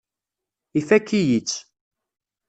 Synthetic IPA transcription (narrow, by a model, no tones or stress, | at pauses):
ifækːijit͡sː